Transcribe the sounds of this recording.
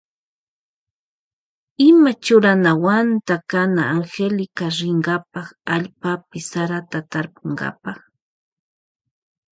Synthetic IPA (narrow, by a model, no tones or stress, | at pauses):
ɪmat͡ʃʊɾanawant̪akanaːŋxelɪkaɾɪŋɡapɑχaʎpapɪsaɾat̪at̪aɾpʊɴɡa̰pɑχ